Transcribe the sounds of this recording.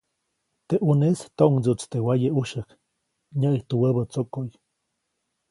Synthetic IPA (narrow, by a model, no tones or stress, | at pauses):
t̪eʔunest̪oʔŋd͡zut͡st̪ewajəuʃək | ɲaʔiht̪uwəbət͡sokoʔj